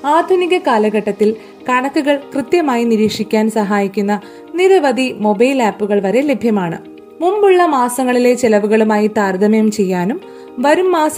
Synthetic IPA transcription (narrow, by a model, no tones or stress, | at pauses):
aːd̪ʱuniɣɐkaːlɐɣɐʈːɐt̪ːil | kɐɳɐkːuɣɐɭkrɨt̪jɐmaːjiniɾiːkʂikʲːaːnsɐɦaːjikʲːunːɐ | niɾɐʋɐd̪imo̞bɐjlaːpːuɣɐɭʋɐɾe̞le̞bʱjɐmaːɳɨ̰ | mumbuɭːɐmaːsɐŋːɐɭile̞t͡ɕelɐʋuɣɐɭumaːjit̪aːrd̪ʱɐmɐjumt͡ɕe̞jːaːnum | ʋɐɾumːaːs